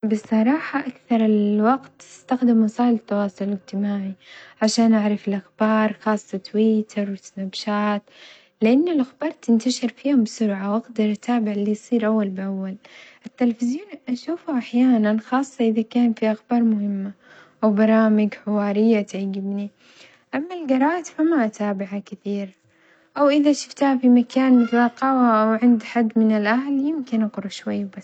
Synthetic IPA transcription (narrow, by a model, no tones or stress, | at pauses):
bɪsˤːɑɾˤɑːħaʔakθɑɾˤɪlwaɡt̪ːɪ̥st̪axd̪ɪmwɑsˤɑːlɪt̪ːɑwɑːsˤʊlɪd͡ʒt̪ɪmaːʕiʕaʃaːnʔaʕɾˤɑfɪlʔaxbɑːɾˤxɑːsˤːɑt̪wiːt̪ʰɪɾˤwɪt̪nabʃaːt̪ | lɪʔanːalʔaxbɑːɾˤt̪ɪnt̪aʃɪɾfiːhʊmbɪsʊɾʕawʔaɡd̪ɑɾˤʔat̪ʰaːbɪʕlːijsˤiːɾʔawːalbɪʔawːalʔɪt̪ːɪlafɪzjuːnʔaʃuːfaʔaħjaːnanxɑːsˤːɑʔɪðakaːnfiʔaxbɑːɾˤmʊhɪmːa | ʔawbɑɾˤɑːmɪɡħɪwɑːɾɪjːat̪ʕaɡɪbni | ʔamːalɡɑɾˤɑːt̪famaʔat̪ʰaːbɪʕakɪθiːɾ | ʔawʔɪðaʃʊ̥ft̪hafimakaːnmɪθlaqːɑwaʔawʕɪnd̪ħad̪ːmɪnɪlʔahljɪmkɪnʔaɡɾuʃwajːbas